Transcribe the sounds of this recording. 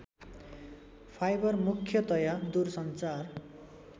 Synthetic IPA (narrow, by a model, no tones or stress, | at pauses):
pʰajbʌrmukʰːjʌt̪ʌjʌd̪ursʌnt͡sar